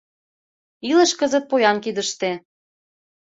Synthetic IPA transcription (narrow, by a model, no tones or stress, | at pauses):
ilə̆ʃkɤzə̆t̪̚pojɑnkid̪ə̆ʃt̪e